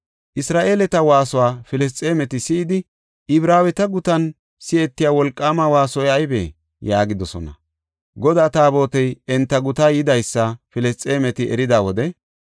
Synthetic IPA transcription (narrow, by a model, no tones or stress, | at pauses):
ʔɪsɾaːʔe̞ːlɛt̪ɐwaːsɔwaːfɪlɛs̬t͡sʼe̞ːmɛt̪ɪsɪːd̪ɪ | ʔɪbɾaːwɛt̪ɐɡʊt̪ɐn | sɪɛt̪ːɪjaːwɔlkʼːaːmɐwaːsɔjɐjbḛː | jaːɡɪd̪ɔsɔ̰nɐ | ɡɔd̪aːt̪aːbo̞ːt̪ɛjɛnt̪ːɐɡʊt̪ajɪd̪ɐjsːɐfɪlɛst͡sʼe̞ːmɛt̪ɪɛ̰ɾɪd̪aːwɔd̪ɛ